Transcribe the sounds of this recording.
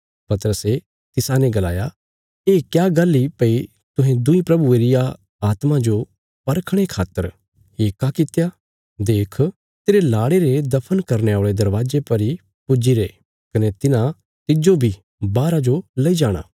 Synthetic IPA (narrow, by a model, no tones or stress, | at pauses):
pɐt̪əɾəse | t̪ɪsãnẽɡɐla̰ːja | eːkjaːɡɐlːipɐi | t̪ʊɦẽd̪ʊĩpɾɐbueːɾɪja | aːt̪mãd͡ʒo | pɐɾkʰɽ̃ekʰaːt̪əɾ | eːkːakɪt̪ja | d̪eːkʰ | t̪eːɾelaːɽeɾed̪ɐpʰənkɐɾneaːɭed̪ɐɾʋaːd͡ʒepɐɾi | pʊd͡ʒiɾeː | kɐnet̪ɪnã | t̪ɪd͡ʒobʱi | baːɾad͡ʒolɐid͡ʒaːɽ̃a̰ː